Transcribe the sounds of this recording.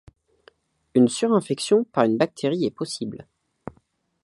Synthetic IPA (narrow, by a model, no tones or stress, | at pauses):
ynsyʁɛ̃fɛksjɔ̃paʁynbak̚t̪ʰeʁiɛpɔsibl